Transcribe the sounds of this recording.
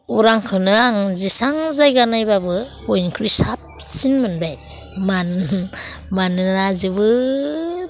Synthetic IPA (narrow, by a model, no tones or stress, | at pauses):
uɾaŋkʰɯnɯaŋzisaŋzajɡanajbabɯbojnkʰɾisap̚sinmɯnbaj | man | manɯɾazɯbɯ